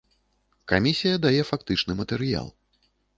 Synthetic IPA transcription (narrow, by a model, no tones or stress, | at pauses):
kamʲisʲijɐd̪ajɛfakt̪ɨt͡ʂnɨmɐt̪ɛɾɨja̰lˠ